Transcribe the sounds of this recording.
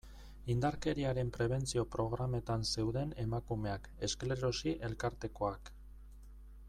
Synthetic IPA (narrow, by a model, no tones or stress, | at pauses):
ind̪aɾke̞ɾiaɾe̞mpɾe̞β̞e̞nt͡sio̞pɾo̞ɣ̞ɾame̞t̪anse̞wðe̞ne̞makume̞ake̞skle̞ɾo̞siʔe̞lkaɾt̪e̞ko̞ak